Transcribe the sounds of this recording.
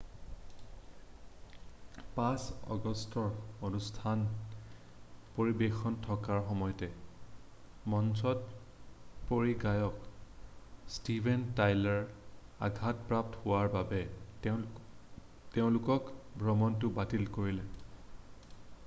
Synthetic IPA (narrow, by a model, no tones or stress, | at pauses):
pãsɔ̰ɡɔstɔɹonustʰan | poɹibexɔntʰɔkaɹxɔmɔjɔtɛ | mɔnsɔt | poɹiɡajɔk | stibʱɛntajlaɹa̰ɡʱatpɹap̚thʊwaɹbabɛ | teʊ̃lʊkɔkbʱɹɔmɔntʊbatilkoɹilɛ